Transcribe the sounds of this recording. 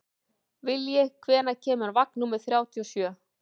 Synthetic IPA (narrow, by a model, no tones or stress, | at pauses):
vɪljɛɣkʰvɛːnacʰɛːmʏaɾvak̚numɪðθɾjaːwt̪ʰiɔsjœː